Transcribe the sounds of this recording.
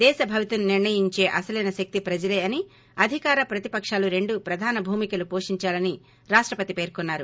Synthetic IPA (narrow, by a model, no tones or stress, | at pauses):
d̪ɛːʃɐbʱɐʋit̪ununiɾɳɐjiɲt͡ʃe̞ːʔɐsɐlɐnɐʃɐk̚t̪ipɾɐd͡ʒɐleːɐni | ɐd̪ʱikaːɾɐpɾɐt̪ipɐkʂaːluɾe̞ɳɖupɾɐd̪ʱaːnɐbʱuːmikɐlupo̞ːʂiɲt͡ʃaːlɐni | ɾaːʂʈɾɐpɐt̪ipe̞ːɾkonːaːɾu